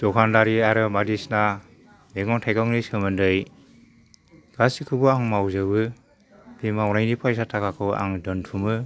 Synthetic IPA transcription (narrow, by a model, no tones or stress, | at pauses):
d̥ɔkʰandaɾiaɾɯmadisna | meɡɔŋtʰajkaŋnisɯmɯndɯj | ɡ̥asikʰɯbɯaŋmawzɯbɯ | bimawnajnipʰajs̬atʰakʰakʰɯwa̰ŋdɯntʰumɯ